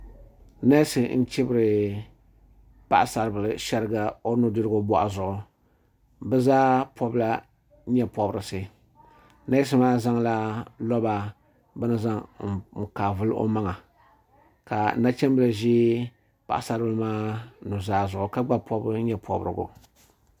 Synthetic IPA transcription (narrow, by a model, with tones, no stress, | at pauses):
na˦sɨ˨n̩˦t͡ʃɪ˦bɨ˦ɾɨ˨ | pa̰˨ʔa˨sa˨ɾbɨ˨lɨ˨ʃɛ˦ɾɨ˦ɡa˨o˦nʊ˨dɨ˦ɾɨ˦ɡʊ˦bɔ˨ʔa˨zʊ˨ʔʊ˨ | bɛ˦zaː˦pʰɔ˦bla˦ | ɲɛ˦pɔ˨bɾɨ˨sɨ˨ | na˦s̬ɨ˦maː˦za˦ŋla˦lɔ˦ba˨ | bɨ˦nɨ˦za˦ŋ̩˨m̩˨kaː˨vɨ˦lo̰˦ma˦ŋa˨ | ka˨na˦t͡ʃɛ˦mbɨ˦la˨ʒi˦ | pa̰˨ʔa˨sa˦ɾbɨ˦lɨ˦maː˦nʊ˨zaː˦zʊ˨ʔʊ˨ka˦ɡ͡ba˦pʰɔ˦bɲɛ˨pʰɔ˨bɨ̰˨ɾɨ̰˨ɡʊ̰˨